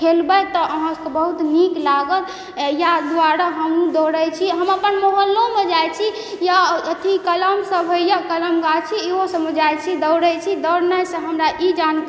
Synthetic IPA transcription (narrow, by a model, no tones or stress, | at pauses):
kʰelbəjt̪ɔʔəɦãkebəɦut̪niklaɡəl | jad̪aɾaɦəmnũd̪əɾəjt͡ʃʰiɦəmapənmoɦəlːomed͡ʒajt͡ʃʰi | jaət̪ʰikələmsəbʱɦəjakələmɡat͡ʃʰieɦosəməd͡ʒajt͡ʃʰid̪əwɾət͡ʃʰid̪əɾnəjsə̃ɦəmɾaʔid͡ʒan